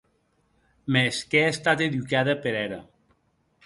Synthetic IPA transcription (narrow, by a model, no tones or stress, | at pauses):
meskeast̪at̪eðukaðəpeɾɛɾə